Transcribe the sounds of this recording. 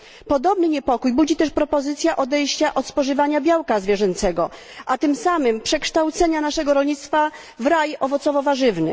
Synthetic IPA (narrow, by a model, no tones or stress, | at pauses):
pɔd̪ɔbnɘɲɛpɔkujbud͡ʑit̪ɛʂpɾɔpɔzɘt̪sʲjaʔɔd̪ɛjɕt͡ɕaʔɔt̪spɔʐɘvaɲabʲjawkazvʲjɛʐɛnt̪sɛɡɔ | ʔat̪ɘmsamɘmpʂɛkʂt̪awt̪sɛɲanaʂɛɡɔɾɔlɲit̪st̪fa | vɾajɔvɔt̪sɔvɔvaʐɘvnɘ̰